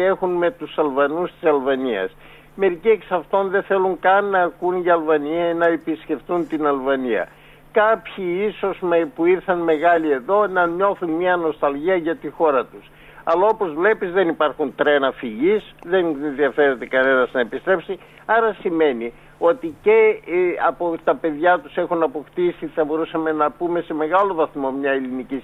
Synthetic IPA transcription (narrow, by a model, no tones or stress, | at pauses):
e̞xunme̞t̪usɐlvɐnust̪isɐlvɐniɐ̰s | me̞ɾicieksɐft̪o̞nðeθe̞luŋkɐnːɐːkunʝɐːlvɐniɐinɐepiskce̞fθunt̪inɐlvɐniɐ̰ | kɐpçiiso̞smepuiɾθɐnme̞ɣɐlie̞ðo̞nɐɲo̞θunmiɐno̞st̪ɐlʝiɐʝɐt̪ixo̞ɾɐt̪us | ɐlɐo̞po̞zvle̞pizðe̞nipɐɾxunt̪ɾe̞nɐfiʝisðe̞nenðiɐfe̞ɾend̪ekɐne̞nɐznɐepist̪ɾe̞psi | ɐɾɐsime̞ni | o̞t̪ice̞ɐpot̪ɐpe̞ðʝɐt̪u̥se̞xunɐpo̞xt̪isiθɐbo̞ɾusɐme̞nɐpume̞se̞me̞ɣɐlo̞vɐθmo̞mɲɐelinici